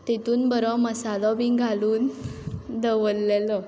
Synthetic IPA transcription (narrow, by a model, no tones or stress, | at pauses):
t̪et̪uːnbəɾɔməsalɔbĩɡʱaluːn | d̪əʋəlːɛlɔ